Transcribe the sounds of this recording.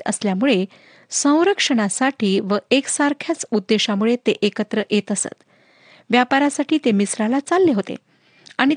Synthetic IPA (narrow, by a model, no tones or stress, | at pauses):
ə̰sljamuɭe | sə̃w̃ɾəkʂəɽasaʈiːʋəʔeksaɾkʰjat͡sud̪ːeɕamuɭet̪eʔekət̪ɾəʔjet̪əsə̰t̪ | ʋjapaɾasaʈiːt̪emisɾalat͡salːeɦot̪ḛ | aɽ̃i